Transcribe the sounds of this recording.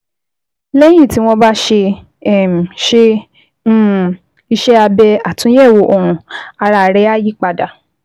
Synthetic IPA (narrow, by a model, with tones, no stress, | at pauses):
lɛ˦j̃ĩ˦˨ti˨˦w̃ɔ̃˦ba˦ʃe˧ | ɛ˦˨m̩˨ʃe˧˦˨ | i˧ʃɛ˦a˧bɛ˧a˦˨tũ˨˦jɛ˦˨wo˨˦ʔo˨ɾ̃ũ˨a˧ɾa˧˨ɾɛ˦a˦ji˦k͡pa˧da˨